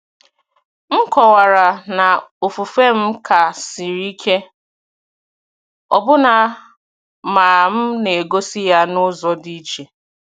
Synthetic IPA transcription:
m̩˦kɔ˨wa˨ɾa˨na˨o˨fu˨fe˦m̩˦kʰa˨si˨ɾi˦kʰe˦ | ɔ̰˨bʊ˦na˨ | maː˨m̩˦ne˨ɡo˦si˦ja˦nʊ˦zɔ˨di˦t͡ʃe˨

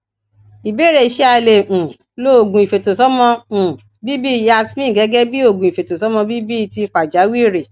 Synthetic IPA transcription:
i˨be˦ɾe˧˨ʃɛ˦a˧le˨ʔũ˨ | lo˦o˨ɡũ˨i˨fe˨to˨sɔ˦mɔ̃˧ũ˨ | bi˦bi˦˨ja˧smĩ˦˨ɡɛ˨˦ɡɛ˦bi˦o˦˨ɡũ˨i˨fe˨to˨sɔ˨˦mɔ̃˧bi˦bi˦i˧ti˧k͡pa˨d͡ʒa˨˦wi˦˨ɾe˨

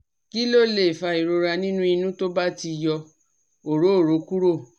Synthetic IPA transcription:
ki˦lo˦˨le˨fa˧i˨ɾo˧ɾa˧nĩ˦nũ˦i˧nũ˦to˦ba˦ti˧jɔ˧ | o˨ɾo˨˦o˦˨ɾo˨˦ku˦ɾo˦˨

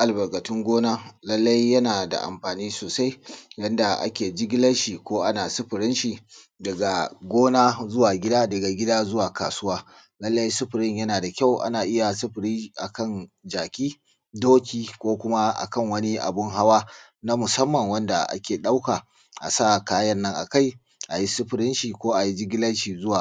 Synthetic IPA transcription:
ʔa˨lbɐ˨ɡɐ˨tɪ˦ŋɡʷoː˦naː˦lɐ˦lːɐ˦jːɐ˦naː˨da̰˨ʔa̰˨mɸaː˨niː˦soː˨sa˦jjɐ˦nda˨ʔa̰˦kʲeː˨d͡ʒɪ˦ɡʲɪ˦lɐ˦nʃi˨kʷoː˦ʔa˦naː˨sʊ˦ɸɪ˨ɾɪ˦nʃi˨ | dɐ˨ɡa˨ɡʷoː˦naː˦zʊ˦waː˨ɡʲɪ˦daː˦dɐ˨ɡa˨ɡʲɪ˦daː˦zʊ˦waː˨ka̰ː˨sʊ˦waː˦ | lɐ˦lːɐ˦ji˦sʊ˦ɸɪ˨ɾɪ˦ɲjɐ˦naː˨da˨kʲa˦˨wʔa̰˦naː˨ʔɪ˦ja˨sʊ˦ɸɪ˨ɾiː˦ʔa̰˨kɐ˦˨nd͡ʒaː˨kʲiː˦ | doː˦kʲiː˦kʷoː˦kʷʊ˦ma˦ʔa̰˨kɐ˦˨ŋwɐ˦ni˦ʔa̰˨bʊ˦ŋɦa˦waː˦ | na˦mʊ˨sɐ˦mːɐ˨ŋwɐ˦nda˨ʔa̰˦kʲeː˨ɗa˦wkaː˨ | ʔa̰˨sa˦˨kaː˦jɐ˦nːɐ˦ŋʔa̰˨ka˦˨j | ʔa˨ji˦sʊ˦ɸɪ˨ɾɪ˦nʃi˨kʷoː˦ʔa˨ji˦d͡ʒɪ˦ɡʲɪ˦lɐ˦nʃiː˨zʊ˦waː˨

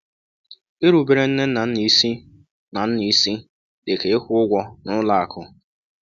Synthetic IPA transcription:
e˦ɾu˨be˨ɾe˨n̩˦ne˦n̩˦na˨n̩˦ni˦si˦ | na˨n̩˦ni˦si˦ | de˨ke˨ɪ˦kʷʊ˦ʊ˦ɡʷɔ˦nʊ˦la˨a˨kʰʊ˦

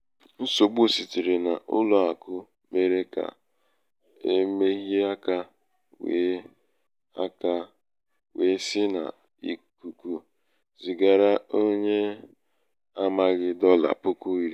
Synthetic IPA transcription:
n̩˦so˨ɡ͡bu˦˨si˨ti˨ɾe˨na˨ʔʊ̰˦lʊ˨a˨kʊ˦ | me˨ɾe˦ka̰˨ | e˦me˦ɣi˦a˦ka˦ | we˨˦ | a˦ka˦ | we˨˦sɪ˦na̰˨ | ḭ˨ku˨ku˨ | zi˨ɡa˨ɾa˦o˦ɲe˦ | a˦ma˦ɣɪ˦dɔ˦la̰˨pʊ˦ku˦i˨ɾi˦

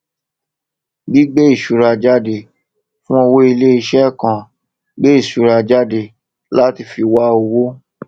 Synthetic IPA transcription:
ɡi˦ɡ͡be˦i˦˨ʃu˨ɾa˧d͡ʒa˦de˨ | fũ˦o˧wo˦i˧le˦i˧ʃɛ˦˨kã˨ | ɡ͡be˦i˦˨ʃu˨ɾa˧d͡ʒa˦de˧ | la˦ti˧fi˧wa˦o˧wo˦

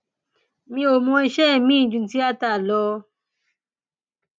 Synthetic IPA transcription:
mĩ˧o˨mɔ̃˧i˧ʃɛ˦˨mĩ˦˨d͡ʒũ˧˨˦ti˦a˦ta˦˨lɔ˧

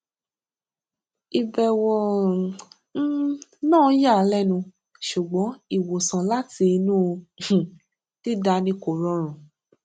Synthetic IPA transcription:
i˧bɛ˨wɔ˧ | n̩˦nãː˦˨˦ja˦˨˦lɛ˦˨nũ˧ | ʃu˨ɡ͡bɔ̃˨˦i˦˨wo˨sã˨la˦ti˧i˧nũ˦õ˧˨ | ti˦da˧˦nĩ˧ko˨ɾɔ˧˦ɾ̃ũ˨

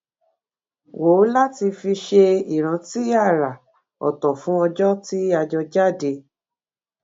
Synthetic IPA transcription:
wo˨˦la˦ti˧fi˧ʃe˧i˨ɾ̃ã˨˦ti˦a˦˨ɾa˨ | ɔ̰˨tɔ˨fũ˦ɔ˧d͡ʒɔ˦ti˦a˧d͡ʒɔ˧d͡ʒa˦˨de˧

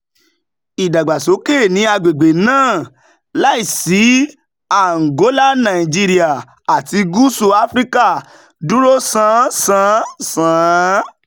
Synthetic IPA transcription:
i˨da˨ɡ͡ba˨so˨˦ke˦˨nĩ˧˦a˧ɡ͡be˨ɡ͡be˨nãː˦˨ | la˦i˦˨si˨˦ | a˦˨ŋ̩˨ɡo˨˦la˦nã˨i˨d͡ʒi˧ɾi˦a˨ | a˨ti˧ɡu˦su˧a˧˦fɾi˦ka˦˨ | du˦ɾo˦sã˨˦sã˨˦sã˨˦

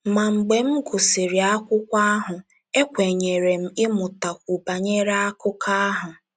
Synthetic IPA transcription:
ma˨ŋ͡m̩˨ɡ͡be˨m̩˦ɡʊ˨si˨ɾi˨a˦kʷʊ˦kʷa˦a˦ɦʊ˨ | e˦kʷe˨ɲe˨ɾe˨m̩˨ɪ˦mʊ˨ta˨kʷu˨ba˨ɲe˦ɾa˦a˦kʊ˦ka˦a˦ɦʊ˨

